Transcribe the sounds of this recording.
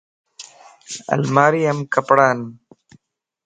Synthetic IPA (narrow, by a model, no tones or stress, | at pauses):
ɐ̰lmaːɾiɐmkɐpɽaːn